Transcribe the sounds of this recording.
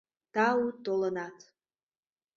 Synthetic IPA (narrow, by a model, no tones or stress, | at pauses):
t̪ɑut̪olənɑt̪